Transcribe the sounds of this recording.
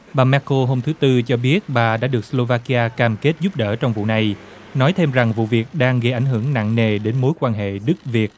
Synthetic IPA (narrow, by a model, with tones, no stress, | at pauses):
ɓaː˨˩mɛ˧ko˧ɦo˧mt̪ʰɨ˨˦t̪ɨ˧t͡ɕɔ˧ɓi˦˥ət̚ɓaː˨˩ɗa̰ː˧˥ɗɨ˨˩ək̚slo˧vaː˧ki˧aː˧kaː˨˩mke˦˥t̚zu˦˥p̚ɗə̰ː˧˩t͡ɕɔ˧wŋ͡mvṵ˧˨na˨˩j | nɔ˨˦jt̪ʰe˧mza˨˩ŋvṵ˧˨vi˨˩ək̚ɗaː˧ŋɣə˧jʔa˧˩jŋɦɨ˧˩əŋna̰˧˨ŋne˨˩ɗe˨˦nmo˨˦jkwaː˧nɦḛ˧˨ɗɨ˦˥k̚vi˨˩ət̚